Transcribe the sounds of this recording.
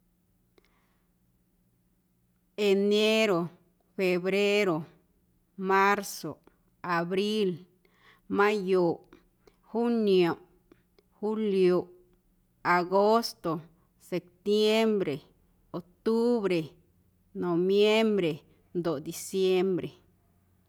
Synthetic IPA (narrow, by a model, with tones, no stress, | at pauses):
e˨ne˦ɾo˨ | fe˨bɾe˦ɾo˨ | ma˦ɾso˨ | a˨bɾi˦l | ma˦jo˨ | xu˦njo˨ | xu˦ljo˨ | a˨ɡo˦st̪o˨ | se˨p̚t̪je˦mbɾe˨ | o˨k̚t̪u˦βɾe˨ | no˨bje˦mbɾe˨ | nd̪o˨d̪i˨sje˦mbɾe˨